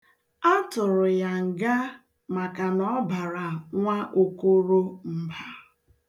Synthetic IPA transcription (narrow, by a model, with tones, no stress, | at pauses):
a˦tʊ˨ɾʊ˨ja˨ŋ̩˨ɡa˦ | ma˨ka˨nɔ˦ba˨ɾa˨ŋʷa˦ʔo˦ku˦ɾo˦m̩˦ba˦